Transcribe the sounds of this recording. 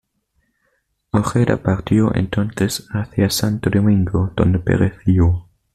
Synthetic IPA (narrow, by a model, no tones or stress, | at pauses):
oxeɾa̰paɾt̪joʔḛnt̪õnθesaθjasant̪odomĩŋɡod̪̥õ̰nd̪epḛɾeθio